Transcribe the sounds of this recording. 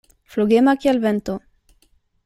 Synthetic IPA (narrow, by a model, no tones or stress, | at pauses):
floɣemakialβent̪o